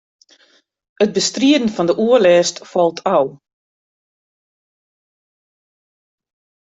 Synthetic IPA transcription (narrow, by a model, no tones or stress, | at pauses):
ət̚bəstriədn̩fɔndəʔuəlɛːstfɔlˠtʰaw